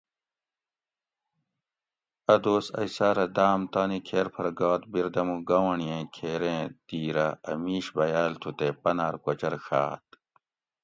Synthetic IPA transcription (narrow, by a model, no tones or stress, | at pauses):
ɐd̪oːsɐ̰jsaːɾɐd̪aːmt̪aːnikʰeːɾpʰɐɾɡaːt̪̚biɾd̪ɐmuɡɐwɐɳijẽkʰeːɾẽːt̪iːɾɐɐ̰miːɕbɐjaːlt̪ʰut̪epɐnaːɾkɐt͡ɕɐɾxa̰ːt̪̚